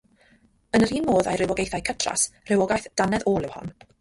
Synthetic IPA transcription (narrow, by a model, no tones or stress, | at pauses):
ənəɾiːnmoːða̰jrɪwɔɡejθajkʰətʰra̰sr̥ɪwɔɡajθd̥anɛðoːlˠɪwhɔ̰n